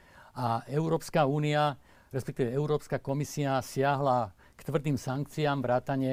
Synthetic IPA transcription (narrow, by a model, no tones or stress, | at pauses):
aʔɛʊɾɔːpskauːnia | ɾɛspɛk̚t̪iːʋɛɛʊɾɔːpskakɔmisiasɪaɦla | kt̪ʋr̩d̪iːmsaŋk̚t͡siaːmʋɾaːt̪aɲɪɛ